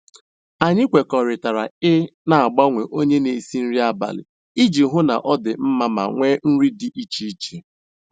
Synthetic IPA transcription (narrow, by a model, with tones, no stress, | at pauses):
a˨ɲɪ˦kʷe˨kɔ˨ɾɪ˨ta˨ɾa̰˨ɪ˦na˨a˨ɡ͡ba˦ŋʷe˨ʔo˦ɲe˦ne˨si˦n̩˦ɾi˦a˦ba̰˨lɪ̰˨ | i˦d͡ʒi˨ɦʊ˦na̰˨ʔɔ˦dɪ˨m̩˦ma˦ma̰˨ŋʷeː˦n̩˦ɾi˦dɪ˨ʔi˦t͡ʃi˦t͡ʃe˨